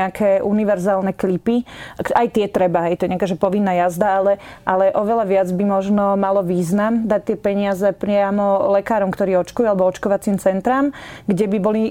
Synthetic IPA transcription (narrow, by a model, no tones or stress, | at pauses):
akʰɛːʔuniʋɛɾzaːlnɛklipikajt̪ɪɛt̪ɾɛbaɦɛjt̪ɔjɛɲɪakaːʒɛpɔʋinːajazd̪aalɛʔalɛʔɔʋɛlaʋɪad͡zbimɔʒnɔmalɔʋiːznamd̪ac̚t̪ɪɛpɛɲɪazɛpɾɪamɔlɛkaːɾɔmkt̪ɔɾiːɔt͡ʃkujualɛbɔɔt͡ʃkɔʋat͡siːmt͡sɛnt̪ɾaːmɡɟɛbibɔli